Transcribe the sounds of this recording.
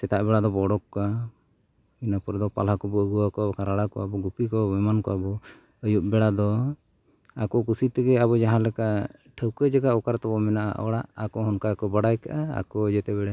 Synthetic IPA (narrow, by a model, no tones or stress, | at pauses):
sɛt̪aʔbɛɽad̪ɔbɔɽɔkːa | inapɔɾd̪ɔpa̰lakɔbɔəɡuwakɔɔkaɾaɽakɔabɔɡupikɔbɛmankɔ̰abɔ | əjuʔ̚bɛɽad̪ɔ | akɔkusit̪ɛɡɛabɔd͡ʒaɦãlɛka | ʈʰəwkəd͡ʒaɡaʔɔkaɾt̪ɔbɔmɛnaʔa̰ʔɔ̰ɽaʔakɔɦɔnkaakɔbaɽajkaʔaa̰kɔd͡ʒɛt̪ɛbɛɽa